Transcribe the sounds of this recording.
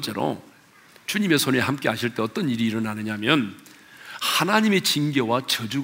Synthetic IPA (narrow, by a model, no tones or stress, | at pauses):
t͡ɕ͈eɾo̰ | t͡ɕuɲime̞sʰoneɦamk͈e̞ɦaɕʰiɭt͈e̞ʌt͈ʌniɾiːɾʌnanɯɲamjʌn | hanaɲime̞t͡ɕinɡewat͡ɕʌd͡ʑu